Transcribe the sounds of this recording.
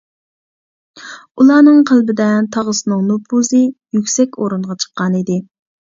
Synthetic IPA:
ulˠɑːnɨŋqʰælˠbɪd̪ɛt̪ʰɑʁəsɨnɨŋnopʰuzɨjykʲsɛkʲʰoɾuɴʁɑt͡ʃʰə̥qːɑnid̪ɪ

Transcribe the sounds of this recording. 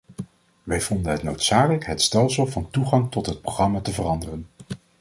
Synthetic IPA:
ʋɛjvɔndənɦətno̰wtsaːkələkɦətstɛlˠsəlˠvɑntuχɑŋtɔtɦət̚prowχrɑmaːtəvərɑndərən

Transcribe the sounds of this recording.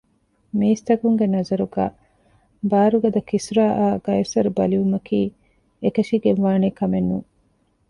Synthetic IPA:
miːst̪ɐkuŋɡenɐzɐɾuɡa̰ː | baːɾuɡɐd̪ɐkisuɾaːʔaːɡ̥ɐjɐsɐɾubɐliʋumɐkiː | ekɐʃiɡeʋʋaːneːkɐmenːṵː

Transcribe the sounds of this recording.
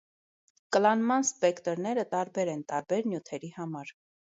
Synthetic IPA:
kəlɑnmɑnspɛkt̪əɾnɛɾət̪ɑɾbɛɾɛnt̪ɑɾbɛɾnjut̪ʰɛɾihɑmɑɾ

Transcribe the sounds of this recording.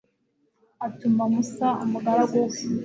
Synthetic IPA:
atumamusaa̰muɡaɾaɡo

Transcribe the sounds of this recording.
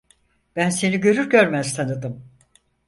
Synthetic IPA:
b̥ænse̞niɟø̞ɾyɾɟøɾmæz̥t̪ʰanɯd̪ɯm

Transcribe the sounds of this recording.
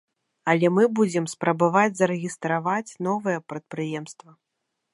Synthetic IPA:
ɐlʲɛmɨbud͡zʲɛmspɾɐbavad͡zʲzɐɾɛɣʲist̪ɾavat͡sʲn̪ɔvɨjɛpɾɐt̪̚pɾɨjɛmst̪vɐ

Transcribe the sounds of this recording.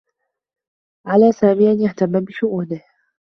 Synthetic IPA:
ʕalaːsaːmɪʔanjaht̪amːabɪʃʊʔuːnɪh

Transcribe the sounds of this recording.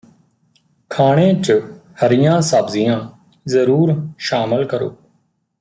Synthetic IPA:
kʰaːɽ̃ẽːt͡ʃəhəɾɪjãːsaːbzɪjãː | zəɾuːɾʃaːməlkəɾo̰ː

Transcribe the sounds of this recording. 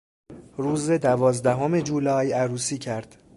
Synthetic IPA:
ɾuːzed̪ævɒːzd̪æɦome̞d͡ʒuːlɒːjæɾuːsiːcʰæɾd̪̥

